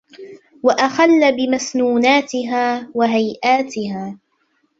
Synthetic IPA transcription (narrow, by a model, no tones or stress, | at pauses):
waʔaxalːabɪmasnuːnaːt̪ɪɦaːwaɦajʔaːt̪ɪhaː